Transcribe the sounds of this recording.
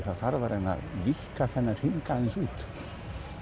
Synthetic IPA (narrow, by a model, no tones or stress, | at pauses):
θaðθaɾvaɾʔɛna̰ðvihkaθɛnːaɾ̥hiŋkaðɪnsuːt̪